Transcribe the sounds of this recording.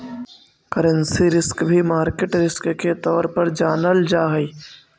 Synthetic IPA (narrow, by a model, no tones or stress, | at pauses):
kəɾə̃nsiɾɪskbʱimaːɾkeʈɾɪskket̪ɔːɾpɐɾd͡ʒaːnəld͡ʒaːɦi